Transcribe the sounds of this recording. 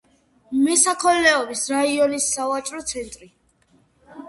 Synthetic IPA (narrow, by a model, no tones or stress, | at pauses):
mɛsakʰɔnːɛɔbisɾaiɔnisːavat͡ʃʼɾɔt̪sʰɛnt̪ʼɾi